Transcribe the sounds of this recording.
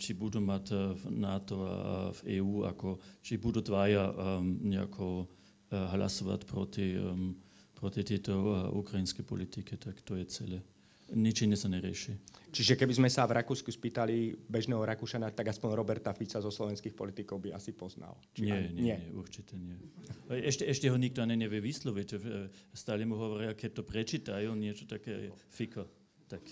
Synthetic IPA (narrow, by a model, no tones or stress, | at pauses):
t͡ʃibud̪umat̪nat̪ɔa̰vɛːuːa̰kɔt͡ʃibud̪ud̪ʋajaɲɛa̰kʰɔ | ɦla̰sɔʋa̰tpɾɔt̪i | pɾɔt̪it̪ɪɛt̪ɔʔukɾainskɛjpɔ̰lit̪ikɛt̪akt̪ɔjɛt͡sɛlɛ | ɲit͡ʃɛɲɛsaɲɛɾɪɛ̰ʃit͡ʃiʒɛkɛbizmɛsavɾʔakuːskuspiːt̪alibɛʒnɛːɦɔɾakuʃanat̪aɡaspɔɲɾɔbɛɾt̪afit͡sazɔslɔʋɛnskixpɔ̰lit̪ikɔʊbia̰sipɔzna̰lt͡ʃɲiɪɛɲɛɛɛɲɛʔṵrt͡ʃit̪ɛɲɪɛɛʃtɛɛʃtɛɦɔɲiɡt̪ɔaniɲɛʋjɛʋislɔʋicst̪aːlɛmuɦɔʋɔɾɪakɛc̚t̪ɔpɾɛt͡ʃiːt̪ajuɲɪɛt͡ʃɔ̥t̪akɛfikʰɔ | t̪ak